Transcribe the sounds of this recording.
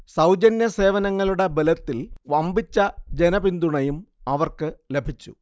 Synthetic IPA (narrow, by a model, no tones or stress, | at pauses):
sɐwd͡ʑɐnjɐse̞ːʋɐnɐŋːɐɭuɽe̞belɐt̪ːilʋɐmbit͡ɕːɐd͡ʑenɐbind̪uɳɐjumɐʋɐrkɨle̞bʱit͡ɕːṵ